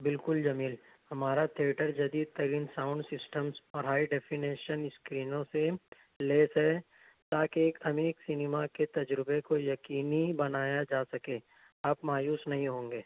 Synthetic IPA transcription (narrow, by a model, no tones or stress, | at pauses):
bɪlkʊld͡ʒɐmiːl | hɐmaːɾat̪ʰieːʈəɾd͡ʒɐd̪iːd̪̚t̪ɐɾiːnsãːʊ̃ɳɖsɪsʈəmsɔːɾɦaːiɖɛːpʰineːʃənɪskɾiːnõse | leːsɛ | t̪aːkeːkɐmeːksɪnɪmaket̪ɐd͡ʒɾɪbekojɐkiːnibɐnaːjad͡ʒaːsɐkẽː | aːpmaːjuːsnɐɦĩɦõːŋɡeː